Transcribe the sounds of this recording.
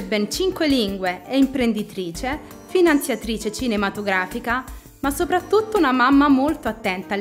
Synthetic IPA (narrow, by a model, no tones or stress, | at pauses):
bːent͡ʃiŋkweliŋɡweeimpɾend̪it̪ɾiːt͡ʃe | finant̪sjat̪ɾiːt͡ʃet͡ʃinemat̪oɡɾaːfika | masːopɾat̪ːut̪ːounamamːamolt̪oat̪ːɛnt̪a